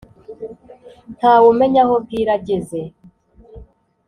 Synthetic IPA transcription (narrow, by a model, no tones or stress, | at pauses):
n̥haːwume̞ɲahob̚iːɾaɟeze